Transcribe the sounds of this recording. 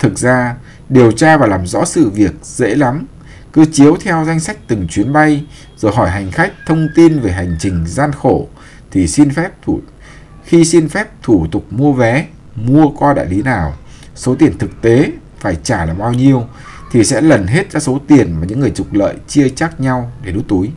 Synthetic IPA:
t̪ʰɨ˨˩k̚zaː˧ | ɗi˨˩əwt͡ɕaː˧vaː˨˩laː˨˩mzɔ̰˧˥sɨ̰˧˨vi˨˩ək̚zḛ˧˥la˨˦m | kɨ˨˧t͡ɕi˨˦əwt̪ʰɛ˧wza˧jŋ̟sa˦˥jk̟̚t̪ɨ˨˩ŋt͡ɕwi˨˦ənɓa˧j | zo˨˩jɦɔ˧˩jɦa˨˩jŋ̟xa˦˥jk̟̚t̪ʰə˧wŋ͡mt̪i˧nve˨˩ɦa˨˩jŋ̟t͡ɕï˨˩ŋ̟zaː˧nxo˧˩ | t̪ʰi˨˩si˧nfɛ˦˥p̚t̪ʰu˧˩ | xi˧si˧nfɛ˦˥p̚t̪ʰu˧˩t̪ʊ˨˩k͡p̚mu˧əvɛ˨˦ | mu˧əkɔ˧ɗa̰ː˧˨jli˨˦naː˨˩w | so˨˦t̪i˨˩ənt̪ʰɨ˨˩k̚t̪e˨˦ | faː˧˩jt͡ɕaː˧˩laː˨˩ɓaː˧wɲi˧əw | t̪ʰi˨˩sɛ̰˧˥lə˨˩nɦe˦˥t̚zɔ˧so˨˦t̪i˨˩ənmaː˨˩ɲɨ̰˧˥ŋːɨ˨˩əjt͡ɕʊ˨˩k͡p̚lə̰ː˧˨jt͡ɕi˧ət͡ɕaː˦˥k̚ɲa˧wɗe˧˩ɗṵ˨˦˥t̪u˨˦j

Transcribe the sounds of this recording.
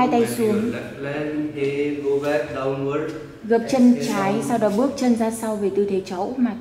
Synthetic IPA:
a˧jt̪a˧jsu˨˦əŋ | lɛ˧ne˧ɡo˧vɛ˦t̚ɗə˧wwə˦ | ɣə˨˩p̚t͡ɕə˧nt͡ɕaː˨˦jsa˧wɗɔː˨˦ɓɨ˦˥ək̚t͡ɕə˧nzaː˧sa˧wve˨˩t̪ɨ˧˩t̪ʰe˨˦t͡ɕə˨˦wmaː˨˩

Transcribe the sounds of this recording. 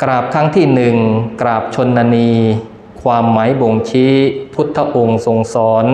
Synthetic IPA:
kɾaː˨˩p̚k̪ʰa˦˥ŋt̪ʰiː˥˩nɯ˨˩ŋkɾaː˨˩p̚t͡ɕʰo˧nːaː˧niː˧ | kʰwaː˧mːaː˩˦jbo˨˩ŋt͡ɕʰi˦˥pʰu˦˥t̪ʰːa˦˧˥ʔo˧ŋso˨˩ŋsɔː˩˦n

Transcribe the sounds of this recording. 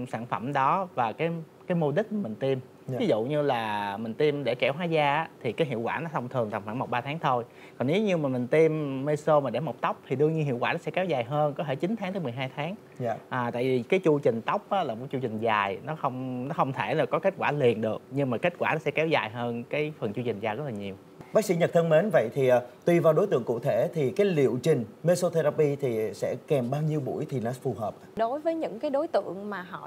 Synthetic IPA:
saː˧˩nfə˧˩mɗɔ˨˦vaː˨˩kaː˨˦j | kaː˨˦jmo˧ɗï̟˦˥maː˨˩m˨˩ŋ̟t̪i˧m˨ | vi˨˦zṵ˧˨ɲɨ˧laː˨˩mï˨˩ŋ̟t̪i˧mɗe˧˩kɛ˧˩˦wɦwaː˨˦zaː˧ʔːt̪ʰi˨˩kaː˨˦jɦḭ˧˨əwkwaː˧˩nɔ˨˦t̪ʰə˧wŋ͡mt̪ʰɨ˨˩əŋt̪a˨˩ŋfwaː˧˩mo˨˩t̚ɓaː˧t̪ʰaː˨˦ŋt̪ʰo˧j | kɔ˨˩ne˨˦wɲɨ˧maː˨˩m˨˩ŋ̟t̪i˧mːe˧so˧maː˨˩ɗe˧˩mo˨˩k͡p̚t̪ə˦˥wk͡p̚t̪ʰi˨˩ɗɨ˧əŋɲɨ˧ɦḭ˧˨əwkwaː˧˩nɔ˨˦sɛ˧˥kɛ˨˦wzaː˨˩jɦəː˧nkɔ˨˦t̪ʰe˧˩t͡ɕi˨˦nt̪ʰa˨˦t̪əː˨˦jmɨ˨˩jɦaː˧jt̪ʰaː˨˦ŋ | ʔəː˨˩t̪a̰ː˧˨jvi˨˩kaː˨˦jt͡ɕu˧t͡ɕï˨˩ŋ̟t̪ə˦˥wk͡p̚ʔaː˨˦laː˨˩mo̰˧˩t͡ɕu˧t͡ɕï˨˩ŋ̟zaː˨˩jnɔ˨˦xə˧wŋ͡mnɔ˨˦xə˧wŋ͡mt̪ʰe˧˩laː˨˩kɔ˨˦ke˦˥t̟̚kwaː˧˩li˨˩ənɗɨ˨˩əkɲɨ˧ŋmaː˨˩ke˦˥t̚kwaː˧˩nɔ˨˦sɛ̰˧˥kɛ˨˦wzaː˨˩jɦəː˧nkaː˨˦jfə˨˩nt͡ɕu˧t͡ɕï˨˩ŋ̟zaː˨˩jz̚laː˨˩ɲi˨˩əw | ɓaː˦˥k̚sḭ˧˥ɲə˨˩ə˧ŋme˨˦nvə̰˧˨jt̪ʰiː˨˩˨t̪wi˧vaː˨˩wɗo˨˦jt̪ɨ̰˧˨əŋkṵ˧˨t̪ʰe˧˩t̪ʰi˨˩kaː˨˦jlḭ˧˨əwt͡ɕï˨˩ŋ̟me˧so˧t̪ʰe˧la˧pi˧t̪ʰi˨˩sɛ̰˧˥kɛ˨˩mɓaː˧wɲi˧əwɓṵ˧˩əjt̪ʰi˨˩na˨˦˥fu˨˩ɦəː˨˩p̚ːɗo˨˦jvəː˨˦jɲɨ̰˧˥ŋkaː˨˦jɗo˨˦jt̪ɨ̰˧˨əŋmaː˨˩ɦɔ̰˧˨

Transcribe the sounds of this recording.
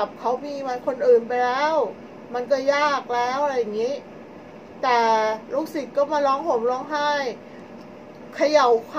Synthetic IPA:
p̚kʰa˦˥wmiː˧ma˧nkʰo˧nʔɯː˨˩npa˧jlɛː˦˥w | ma˧nkɔː˥˩jaː˥˩k̚lɛː˦˥wʔa˧ɾa˧˥jːa˨˩ŋiː˦˥ | t̪ɛː˨˩luː˦˥˩k̚si˨˩t̪̚kɔː˥˩maː˧lɔː˦˥ŋpʰo˩˦mlɔː˦˥ŋɦa˥˩j | kʰa˧ja˨˩˦wkʰ

